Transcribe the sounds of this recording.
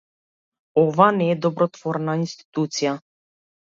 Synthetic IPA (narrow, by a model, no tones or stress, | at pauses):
ɔvanɛːd̪ɔbɾɔt̪vɔɾnainst̪i̥t̪ut̪sija